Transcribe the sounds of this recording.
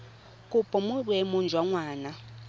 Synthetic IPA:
kʼupʼɔmuɓwɛmɔnd͡ʒʱwaŋwaːna

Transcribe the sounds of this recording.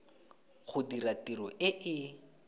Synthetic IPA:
χʊdiratiɾɔʔɪʔɪ

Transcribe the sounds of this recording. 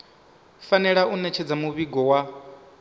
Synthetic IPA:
fanɛɺaʔunɛt͡ʃʰɛd͡zamuβiɡɔwa

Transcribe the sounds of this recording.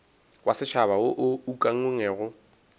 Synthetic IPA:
wasɪt͡ʃʰaβaʊʔʊukʼaŋ̩ɪŋɛːɣʊ

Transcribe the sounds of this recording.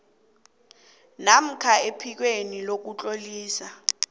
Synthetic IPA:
nam̩kʰaepʰik̬wenilok̬ut͡ɬʼoliːsa

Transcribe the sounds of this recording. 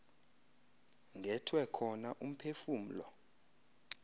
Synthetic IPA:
ŋɡʱɛtʰwɛkʰɔnaʔum̩pʰefuːm̩lɔ̰

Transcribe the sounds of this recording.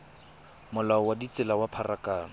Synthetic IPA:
mʊlaɔwadit͡sɪlawapʰarakaːna

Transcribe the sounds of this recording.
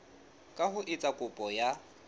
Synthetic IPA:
kʼahʊʔɪt͡sʼakʼʊpʼɔja

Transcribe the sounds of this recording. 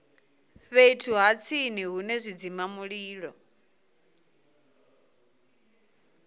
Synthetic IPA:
βeitʰuɦat͡sʰiniɦunɛzʷid͡zimamuɺiːɺɔ

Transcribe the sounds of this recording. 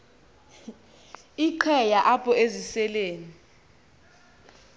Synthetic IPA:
iǃʰɛjaʔapʰʼɔezisɛleːni

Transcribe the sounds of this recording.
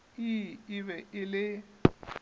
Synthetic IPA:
iɪβɛʔɪlɪ

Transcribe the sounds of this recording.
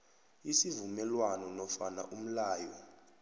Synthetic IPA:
isivumɛlwanɔnɔfana̰ʔum̩laːjɔ

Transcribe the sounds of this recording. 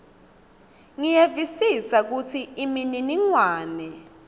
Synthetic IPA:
ŋijevisisak̬ut͡sʰiimininiŋwaːnɛ

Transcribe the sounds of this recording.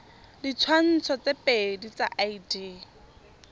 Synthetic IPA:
dit͡sʰwan̩t͡sʰɔt͡sepedit͡sa̰ʔaidiː

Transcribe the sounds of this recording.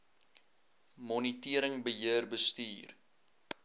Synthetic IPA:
mɔnitiəɾəŋbəɦiərbəstiːr

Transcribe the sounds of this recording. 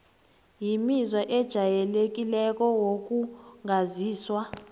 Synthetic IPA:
jimizwaʔɛd̥ʒ̥ʱajɛlek̬ilɛk̬ʼɔwok̬ʼuŋaziːswa

